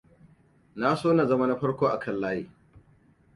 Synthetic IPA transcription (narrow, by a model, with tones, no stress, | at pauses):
na˦soː˦na˨zɐ˦ma˦na˦ɸɐ˦ɽkʷoː˦ʔa˨kʰɐ˦˨lːaː˦jiː˦